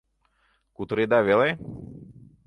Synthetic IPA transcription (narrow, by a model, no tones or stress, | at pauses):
kut̪ɾed̪avele